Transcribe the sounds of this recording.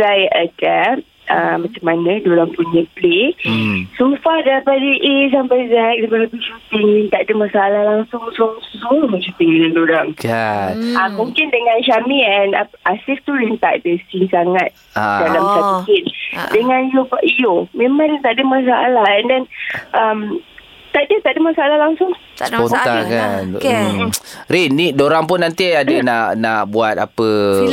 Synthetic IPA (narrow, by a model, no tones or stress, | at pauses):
ajʔəka | amat͡ʃamːanə̃doɾaŋpuɲəple | sumfahdapadəʔes̬ampajzɛk̚dapaabiʃut̪ɪŋɾint̪aʔdəmasalahlaŋsʊŋsuŋsumaʃut̪ɪŋiŋandoɾaŋ | amuŋkɪndəŋanʃamiɛnaʔasift̪ulint̪a̰ʔdəsiŋsaŋat̪̚adalamʃamikindəŋãnijobaʔijomẽmãŋdt̪aʔdəmas̬aalahɛndɛnʔəm | t̪aʔdət̪aʔdəmasaalahlaŋsʊŋ | spont̪akan | ɾinːidoɾaŋp̬ʊnːant̪iadənaʔnaʔbuat̪̚apə